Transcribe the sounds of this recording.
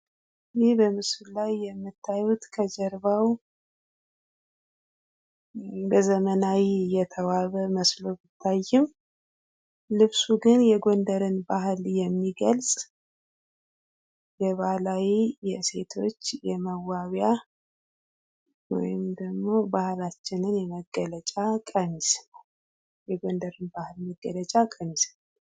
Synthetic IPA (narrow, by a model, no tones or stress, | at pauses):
jɪhbəmɨsllajːɛmːɨt̪ʰːajut̪kʰəd͡ʒɛɾbaw | bəzəmənawijɛt̪ʰəwaβəməslo̞bɨt̪ʰːajːɪm | lɨβsuɡɨnjɛɡo̞nd̪əɾɨnbaɦɨljɛmːiɡəlsʼ | jɛβahlawijɛse̞t̪ʰo̞̰t͡ʃːjɛməwːaβja | wɔ̰jɪmd̪əɡmo̞bahlat͡ʃːɪnɨnjɛməɡːələt͡ʃʼakʼəmisnal | jɛɡond̪əɾɨnbahɨlməɡːələt͡ʃʼakʼəmislal